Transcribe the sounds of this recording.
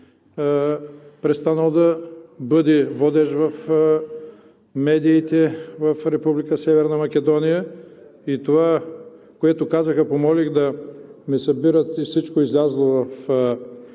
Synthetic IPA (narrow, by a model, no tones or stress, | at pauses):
pɾɛst̪anəlˠd̪ɐbɤd̪ɛvɔd̪ɛʃvɐf | mɛd̪iːt̪ɛvɐfɾɛpublikəsɛvɛɾnɐmɐkʲɛd̪ɔnijəit̪ova | koɛt̪okazəxəpomɔlixd̪ɐmɛsɐbiɾət̪ifsit͡ʃkoizlʲazlˠovɐf